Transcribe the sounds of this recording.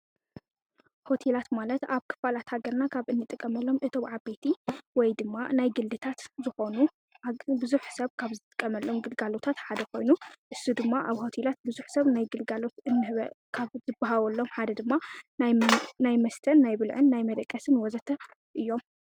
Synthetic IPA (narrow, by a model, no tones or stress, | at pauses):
ho̞t̪ʰe̞lat̪malɐt̪aβkʰɨ̥falat̪haɡɐɾnakʰaβɨnːɨt̪ʼɨkʼːɐmɐlːo̞mʔɨt̪ʰomʕabe̞t̪ʰiwɔjd̪ɨmːa̰najɡɨlːɨt̪ʰat̪zɨxo̞nu | bɨzuħsɐβkʰaβzɨt̪ʼɨ̥kʼːɐmɐlːo̞mɡɨlɡalo̞t̪ʰat̪ħad̪ɐkʰo̞jnuʔɨsːud̪ɨmːaʔaβho̞t̪ʰelat̪̚bɨzuħsɐβnajɡɨlɡalo̞t̪ɨnːɨβkʰaβzɨbaɦawɐlːo̞mħad̪ɐd̪ɨmːannajmɐst̪ʰɐnːajbɨlʕɨnːajmɐd̪ɐkʼːɐsɨnwɔzɐt̪ʰɐ | ʔɨjːo̞m